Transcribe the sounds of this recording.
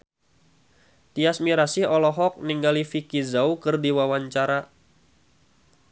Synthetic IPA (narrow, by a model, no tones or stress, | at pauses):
t̪iasmiɾasihɔlɔɦɔk̚niŋɡalifikizaukɨrdiwawaɲt͡ʃaɾa